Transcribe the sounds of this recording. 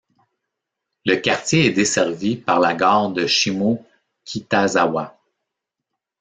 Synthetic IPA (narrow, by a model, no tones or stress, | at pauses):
ləkaʁt̪jeɛd̪esɛʁvipaʁlaɡɑːʁd̪əʃimo | kʲʰit̪azawa